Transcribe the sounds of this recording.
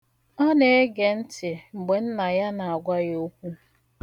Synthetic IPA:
ɔ˦ne˦e˦ɡe˨n̩˦tɪ˨ŋ͡m̩˨ɡ͡be˨n̩˦na˨ja˦na˨a˨ɡʷa˦jo˦kʷu˦

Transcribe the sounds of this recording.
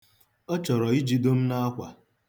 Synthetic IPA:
ɔ˦t͡ʃɔ˨ɾɔ˨i˦d͡ʒi˦do˦m̩˦na˦a˦kʷa˨

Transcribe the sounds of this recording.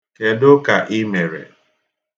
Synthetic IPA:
ke˨dʊ˦ka˨ʔɪ˦me˨ɾḛ˨

